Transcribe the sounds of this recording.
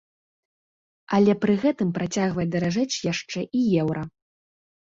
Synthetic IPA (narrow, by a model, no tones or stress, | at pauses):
ɐlʲɛpɾɨɣɛt̪ɨmpɾat͡sʲaɣvɐjɛd̪ɐɾaʐɛt͡sʲjaʂt͡ʂɛʔijɛwɾɐ